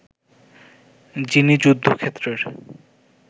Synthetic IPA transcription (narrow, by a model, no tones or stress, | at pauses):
d͡ʑinid͡ʑud̪ʱːokʰet̪ːɾeɾ